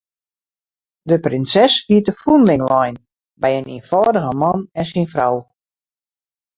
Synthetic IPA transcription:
dəprɪnsɛshiətəfunlɪŋlɔjn | bɛjəniːnfɔːdəɣəmɑnɛnsinfraw

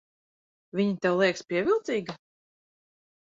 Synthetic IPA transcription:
vʲiɲit̪ɛwlˠiɛkspʲiɛvʲilˠt̪siːɡa

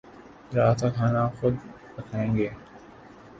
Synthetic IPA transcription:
zaːt̪akʰaːnaxʊd̪bət̪ʰaːẽːŋɡeː

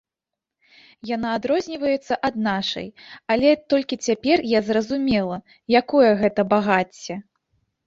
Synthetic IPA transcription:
jan̪aːd̪ɾɔzʲnʲivɐjɛt̪sːɐʔɐd̪̚naʂɐ̰jalʲɛt̪ɔlʲkʲit͡sʲapʲɛrjazrɐzumʲɛlˠɐ | jakɔjɐɣɛt̪ɐbaɣat͡sʲːɛ

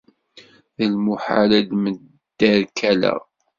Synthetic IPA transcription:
ðəlmuħa̰læd̪məd̪ːəɾkʰælæ̰

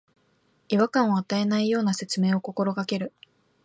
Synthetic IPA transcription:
iβakãɰ̃oat̪ae̞naijo̞ːnase̞t͡sɨme̞ːo̞ko̞ko̞ɾo̞kake̞ɾɯ̟

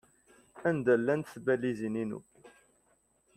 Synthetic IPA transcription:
ænd̪ælːænt̪θbælːizininṵ

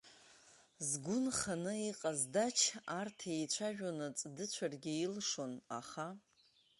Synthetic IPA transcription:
zɡʷʊnχanɨiqʼazdat͡ʃʰartʰejt͡ɕʷʰaʒᶣonɨt͡sʼdɨt͡ɕʷʰarɡʲɪilʂo̞na̰χa

